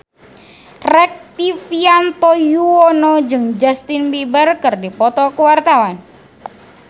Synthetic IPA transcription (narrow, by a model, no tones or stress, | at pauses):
rɛk̚t̪ifiant̪ojuɔnɔd͡ʒɨŋd͡ʒast̪inbibərkɨrdipɔt̪ɔkuwart̪awan